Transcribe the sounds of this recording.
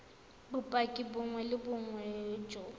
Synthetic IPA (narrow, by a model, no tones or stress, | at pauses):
bʊpʼakʼɪbʊŋwɛlɪbʊŋwɛt͡ʃʼɔ